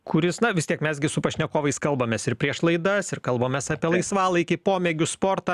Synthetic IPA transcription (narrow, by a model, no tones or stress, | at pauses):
kʊɾʲɪsnɐʋʲɪst̪ʲiɛkmʲɛsɡʲɪsʊpɐʃʲnʲɛkoːʋɐɪskɐlˠbɐmʲeːsɪrpʲɾʲiɛʃlˠɐɪd̪ɐsɪrkɐlˠbɐːmʲeːsɑːpʲiɛlˠɐɪsʋɑːlˠɐɪkʲɪpoːmʲeːɡʲʊspoːrt̪ɑː